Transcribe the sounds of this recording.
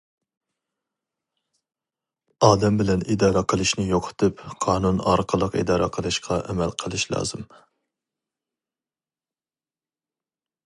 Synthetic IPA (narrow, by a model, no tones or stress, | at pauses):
ɑːd̪ɛmbɪlɛnid̪ɑːɾɑqʰəlˠɨʃnɪjoqʰt̪ʰɨpqʰɑːnunɑ̰ɾqʰəlˠəqḭd̪ɑːɾɑqʰəlˠɨʃqʰɑʔɛmɛlqʰəlˠɨʃlˠɑ̰ːz̥ɨm